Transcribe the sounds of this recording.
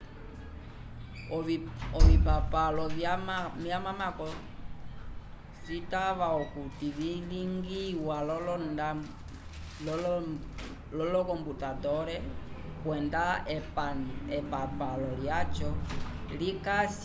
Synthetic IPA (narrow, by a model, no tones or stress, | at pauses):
ɔβipapalɔβjamamakɔ | sitaβaɔkutiβidiŋɡiwalɔlɔna | l | lɔlɔkɔmbutadɔɾɛ | kwɛnda | ɛpapalɔljat͡ʃɔlikas